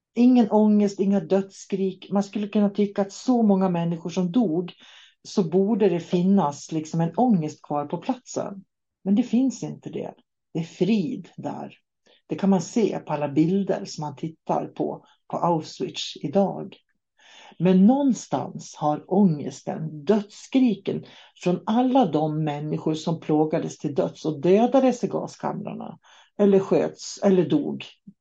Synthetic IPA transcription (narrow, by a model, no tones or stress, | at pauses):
ɪŋːənʔɔŋːəst̪ɪŋːad̪œt̪skɾiːkmanskɵlːəkɵnːat̪ʰʏkːaːt̪sɔmɔŋːamɛnːɪɧʊʂɔmd̪uːɡ | sɔbuːɖəd̪ɛfɪnːaslɪksɔmɛnɔŋːəst̪kʰvɑːɾpʰɔpʰlat̪sə̰n | mɛnd̪ɛfɪnsɪnt̪əd̪ɛ̰ | d̪̥ɛæɾfɾiːd̪d̪æ̰ɾ | d̪̥ɛkʰanmansḛːpʰɔalːabɪld̪ə̰ɾsɔmhant̪ʰɪt̪ːa̰ɾpʰɔ̰ | pʰɔʔaʊfswɪt̪ɪd̪ɑːɡ | mɛnːɔnːst̪a̰nshaɾɔŋːə̰st̪ə̰nd̪œt̪skɾiːkən | fɾɔnalːad̪ɔmːɛnːɪɧʊɾʂɔmpʰloːɡad̪əst̪ʰɪld̪œt̪sɔd̪øːd̪ad̪əsɪɡɑ̰ːskʰa̰mɾa̰ɳa̰ | ʔɛlːəɾɧøːt̪sɛlːəɖṵːɡ